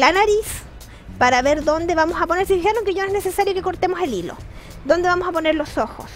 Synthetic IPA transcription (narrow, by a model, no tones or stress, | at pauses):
lanaɾis | paɾaβeɾðo̞nd̪eβamosapo̞neɾsiðixeɾoŋkeʝonenesesaɾjo̞keko̞ɾt̪emose̞lilo̰ | d̪o̞nd̪eβamo̞sapone̞ɾlo̞soxo̰s